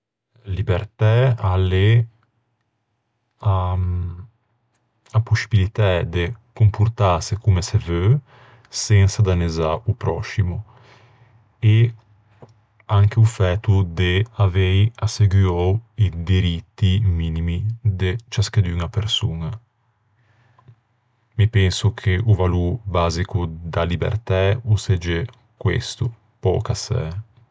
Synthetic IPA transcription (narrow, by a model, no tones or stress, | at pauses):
libeɾt̪ɛale | a | apusi̥bilit̪ɛd̪ekumpuɾt̪asekumesevø | sɛnsad̪anezaupɾɔsimu | e | aŋkeufɛt̪ud̪eavejaseɡjɔwid̪iɾit̪ːiminimid̪et͡ʃasked̪yŋapeɾsuna | mipɛnsukʰeʔuvaluɾbaːzikud̪alibḛɾt̪ɛused͡ʒe | kwḛst̪u | pɔ̰ːkasɛ̰